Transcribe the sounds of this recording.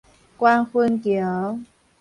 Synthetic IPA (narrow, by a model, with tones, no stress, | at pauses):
kwa˦nxwə˦˥nkjo˨˦